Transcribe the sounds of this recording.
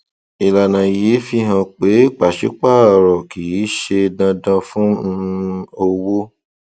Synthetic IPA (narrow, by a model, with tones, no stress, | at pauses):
i˨la˨nã˨je˨˦fi˧ɦã˧k͡pe˨˦k͡pa˨ʃi˨˦k͡pa˦˨ɾɔ˨ki˨i˨˦ʃe˧dã˧dã˧fũ˦˧o˧wo˦